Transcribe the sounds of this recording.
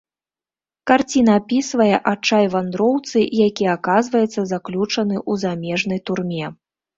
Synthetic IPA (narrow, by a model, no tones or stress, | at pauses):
kart͡sʲinɐːpʲisvɐjɛʔat͡ʂajvand̪ɾɔwt̪sɨʔjakʲiakazvɐjɛt̪sːɐzaklʲut͡ʂɐn̪ɨʔuzamʲɛʐnɐjt̪urmʲɛ